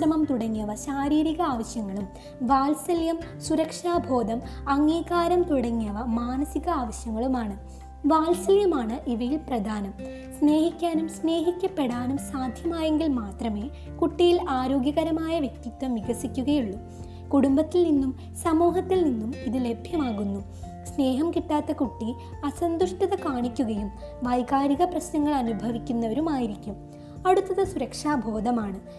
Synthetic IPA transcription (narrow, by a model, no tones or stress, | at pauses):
ɐmɐmt̪uɽɐŋːiɐʋɐɕaːɾiːɾiɣɐaːʋɐɕjɐŋːɐɭum | ʋaːlsɐljɐmsuɾɐkʂaːbʱo̞ːd̪ʱɐmɐŋːiːkaːɾɐmt̪uɽɐŋːiɐʋɐmaːnɐsiɣɐaːʋɐɕjɐŋːɐɭumaːɳɨ | ʋaːlsɐljɐmaːɳɨʔiʋɐjilprɐd̪ʱaːnɐm | sne̞ːhikʲːaːnumsne̞ːɦikʲːɐpːe̞ɽaːnumsaːd̪ʱjɐmaːje̞ŋɡilmaːt̪rɐme̞ː | kuʈːijilaːɾo̞ːɡjɐɣɐɾɐmaːjɐʋjek̚t̪it̪ːʋɐmiɣɐsikʲːuɣɐjuɭːu | kuɽumbɐt̪ːilninːum | sɐmoːɦɐt̪ːilninːumiðɨle̞bʱjɐmaːɣunːu | sne̞ːɦɐmkiʈːaːt̪ːɐkuʈːi | ɐsɐnd̪uʂʈɐðɐkaːɳikʲːuɣɐjum | ʋɐjkaːɾiɣɐprɐɕnɐŋːɐɭɐnubʱɐʋikʲːunːɐʋɐɾumaːjiɾikʲːum | ɐɽut̪ːɐðɐsuɾɐkʂaːbʱo̞ːd̪ʱɐmaːɳɨ